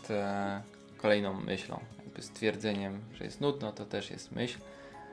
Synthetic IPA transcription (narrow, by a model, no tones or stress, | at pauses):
t̪ | kɔlɛjnɔ̃w̃ːʔɘɕlɔ̰̃w̃jaɡ̚bɘst̪fʲjɛɾd̪zɛɲɛmʐɛ̰jɛ̰st̪nud̪nɔt̪ɔt̪ɛʂjɛ̰st̪mʔɘɕl